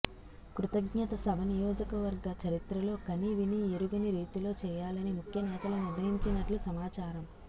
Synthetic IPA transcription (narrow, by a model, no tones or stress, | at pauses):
kɾut̪ɐɡɲɐt̪ɐsɐbʱɐnijɔːd͡ʒɐkɐʋɐɾɡɐt͡ʃɐɾit̪ɾɐlo̞ːkɐniʋinieɾuɡɐniɾiːt̪ilo̞ːt͡ʃɛːjaːlɐnimukʰjɐnɛːt̪ɐluniɾʋɐɦiɲt͡ʃinɐʈlusɐmaːt͡ʃaːɾɐm